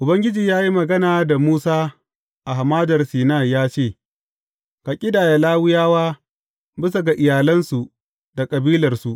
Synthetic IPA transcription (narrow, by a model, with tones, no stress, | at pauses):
ʔʊ˨bɐ˦ŋɡʲɪ˦d͡ʒiː˨jaː˦ji˦mɐ˨ɡɐ˦naː˨da˨muː˦saː˦ | ʔa˨ɦa˨maː˦dɐ˨rsiː˨naː˦˨jaː˦t͡ʃeː˦˨ | ka˨kʲʼɪ˦daː˨ja˨laː˦wʊ˦jaː˦waː˦ | bɪ˦s̬a˨ɡa˨ʔɪ˨jaː˨lɐ˦nsu˨ | da˨kʼɐ˨biː˦lɐ˨rsu˨ʔ